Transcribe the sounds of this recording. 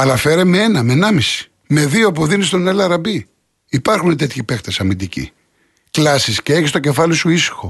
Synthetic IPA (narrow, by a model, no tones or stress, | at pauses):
ɐlɐfe̞ɾemeenɐmenɐmisi̥ | me̞ðiop̬uðinist̪o̞nelɐɾɐbi | ipɐɾxunet̪e̞t̪çipe̞xt̪esɐmind̪icḭ | klɐsisceeçist̪o̞ce̞fɐlisuisi̥xo̞